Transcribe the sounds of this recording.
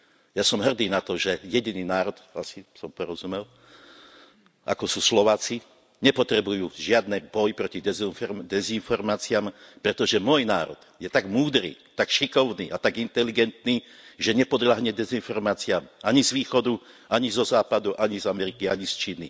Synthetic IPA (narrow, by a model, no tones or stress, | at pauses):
jasɔmɦr̩d̪iːnat̪ɔʒɛjɛɟiniːnaːɾɔd̪a̰sisɔmpɔɾɔzumɛl | ʔa̰kɔsuːslɔʋaːt͡si | ɲɛpɔt̪ɾɛbujuːʒɪad̪nɛbɔjpɾɔcid̪ɛd̪ɛzinfɔɾmaːt͡sɪampɾɛt̪ɔʒɛmɔjnaːɾɔ̰d̪̥jɛt̪aɡmuːd̪ɾḭːt̪akʃikɔʊnḭːʔat̪aɡint̪ɛliɡɛnt̪niːʒɛɲɛpɔd̪laɦɲɛd̪ɛzinfɔɾmaːt͡sɪamaɲizʋiːxɔd̪u | ʔaɲizɔzaːpad̪uʔaɲizamɛɾikiaɲist͡ʃiːni